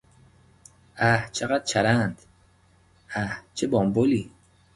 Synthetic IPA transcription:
æht͡ʃʰeɣæd̪̥̚t͡ʃʰæɾænd̪̥ | æht͡ʃʰebɒːmboliː

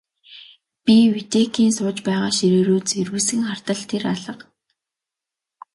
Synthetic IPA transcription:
piwit̪ekʰiːnsʊːt͡ɕpæːʁaːʃiɾeːɾoːt͡serwɘ̆sɘ̆ŋχar̥t̪ə̆ɮt̪ʰeraɮə̆q

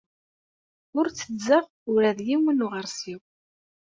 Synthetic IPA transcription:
ʊɾt͡sːəzəʁ | ʊɾæðjiwənuʁəɾsiw

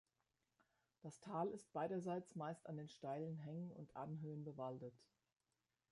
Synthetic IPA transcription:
d̥astʰaːlɪst̚b̥aɪɾɐzaɪt͡smaɪstandeːnʃtaɪlənɦɛŋənʊ̰ntʰʔanɦøːənbəvaltət

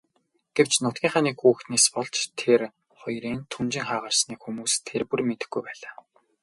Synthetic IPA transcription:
ɡ̥ew̥t͡ɕnʊt̪̚ɡʲiːɴχaːniːkxuːxt̪neːspɔɮt͡ɕt̪ʰer | χɔjɾiːnt̪ʰumt͡ɕɪ̆ŋχaːʁə̆rsniːkxumuːst̪ʰerpurmet̪ɘ̥̆xɡujpæːɮaː

